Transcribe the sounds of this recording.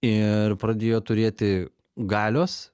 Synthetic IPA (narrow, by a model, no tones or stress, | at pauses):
ɪɾpɾɐd̪ʲeːjoːt̪ʊɾʲeːt̪ʲɪ | ɡɑːlʲoːs